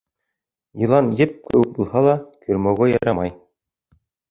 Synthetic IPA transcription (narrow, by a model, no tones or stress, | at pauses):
jɤ̆lˠɑnjɘp̚kɘ̆wɘk̚bulˠhɑlˠɑkʰɵ̆ɾmæwɘjɑɾɑmɑj